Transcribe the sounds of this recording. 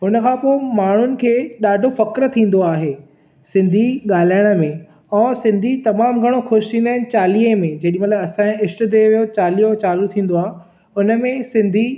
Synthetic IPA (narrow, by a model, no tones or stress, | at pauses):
ɦʊnə̆kʰãːpoːɪmaːɳ̤ʊnɪ̆kʰeːɗaːɖʱofɐkɾt̪ʰĩːn̆d̪oaːɦeː | sɪ̃nd̪ʱiɠaːl̤aːɪəɽ̃ə̆mẽ | ɛ̃ːsɪ̃nd̪ʱit̪ɐmaːmɡʱɐɽ̃oxʊʃĩːnd̪aːɪnɪ̆t͡ɕaːliːẽmẽd͡ʑɐɗĩmɐt̪ləbɐsãɪsʈ̆d̪ʱeʋijot͡ɕaːliːot͡ɕaːlut̪ʰĩːn̆d̪oaːɦe | ʊnə̆mẽsɪ̃nd̪ʱi